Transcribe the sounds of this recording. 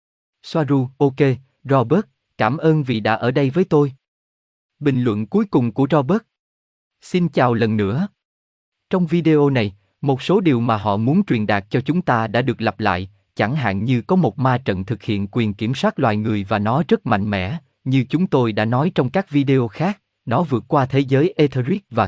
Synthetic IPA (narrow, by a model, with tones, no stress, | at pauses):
swaː˧zu˧ʔo˧ke˧ | zɔ˧ɓəː˦˥t̚ | kaː˧˩mʔəː˧nvḭ˨˩ɗa̰ː˧˥ʔəː˧˩ɗə˧jvəː˨˦jt̪o˧j | ɓï˨˩ŋ̟lwə̰˧˨nku˨˦jkʊ˨˩ŋ͡mku˧˩əzɔ˧ɓə˦˥t̚ | si˧nt͡ɕaː˨˩wlə˨˩nːɨ̰˧˥ə | t͡ɕɔ˧wŋ͡mvi˧ɗe˧ʔo˧na˨˩j | mo˨˩t̚so˨˦ɗi˨˩əwmaː˨˩ɦɔ̰˧˨mu˨˦nt͡ɕwi˨˩ənɗaː˨˩k̚t͡ɕɔ˧t͡ɕʊ˨˦ŋ͡mt̪aː˧ɗa̰ː˧˥ɗɨ˨˩ək̚lə˨˩p̚la̰ː˧˨j | t͡ɕa˧˩ŋɦa̰ː˧˨nɲɨ˧kɔ˨˦mo˨˩t̚maː˧t͡ɕə̰˧˨nt̪ʰɨ˨˩k̚hḭ˧˨ənkwi˨˩ənki˧˩əmswaː˦˥t̚lwa̰ː˧˨jŋɨ˨˩əjvaː˨˩nɔ˨˦zə˦˥k̚ma̰˧˨jŋ̟mɛ̰˧˥ | ɲɨ˧t͡ɕʊ˨˦ŋ͡mt̪o˧jɗa̰ː˧˥nɔ˨˦jt͡ɕɔ˧wŋ͡mkaː˦˥k̚vi˧ɗe˧o˧xaː˦˥k̚ | nɔ˨˦vɨ˨˩ət̚kwaː˧t̪ʰe˨˦zəː˨˦jʔe˧t̪ʰə˧ɾi˦˥k̚vaː˨˩